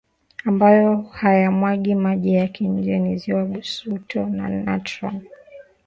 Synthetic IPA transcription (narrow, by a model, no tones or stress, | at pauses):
ambajɔhajamwaɠimaʄɛjakiɲ̩d͡ʒɛniziwaɓusutʰɔna̰na̰tɾa̰l